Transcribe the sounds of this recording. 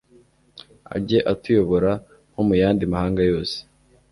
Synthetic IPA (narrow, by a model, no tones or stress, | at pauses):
a̰ɟe̞ʔatujo̞βo̞ɾa | ho̞mujaːndimahaːŋɡajo̞ːse̥